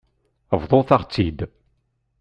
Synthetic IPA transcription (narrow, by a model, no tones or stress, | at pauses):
əvðˤoθaʁt͡sːid̪